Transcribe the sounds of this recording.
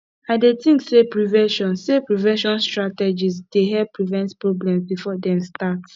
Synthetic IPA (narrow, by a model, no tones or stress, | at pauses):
aɪdetĩŋksepɹivɛ̃ʃɔ̃nsepɹivɛ̃ʃɔ̃nstɹatɛd͡ʒisd̥eɦɛvpɹivɛ̃ntpɹɔblɛ̃msbifɔdɛ̃mstat